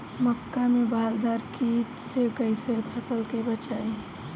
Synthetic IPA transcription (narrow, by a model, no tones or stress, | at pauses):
məkːamebaɦəzaɾkit͡ʃsekəɪsepʰəsəlkebət͡ʃae